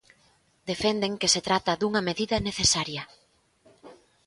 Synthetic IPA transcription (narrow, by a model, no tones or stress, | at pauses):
d̪efend̪eŋkeset̪ɾat̪ɐðuŋɐmeðiðɐneθesaɾjɐ